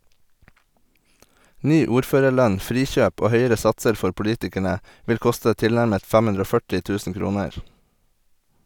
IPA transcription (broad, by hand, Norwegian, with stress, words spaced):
ˈnyː ˈuːɾˌføːɾəɾˌlœɲ ˈfɾiːˌçøːp ˈoː ˈhœʏəɾə ˈsɑtsəɾ ˈfɔɾ pʊˈliːtɪkæɳə ˈʋɪl ˈkʊstə ˈtɪlnæɾmət ˈfɛm ˈʉndɾ ˈoː ˈfœʈɪ ˈtʉːsn̩ ˈkɾuːnəɹ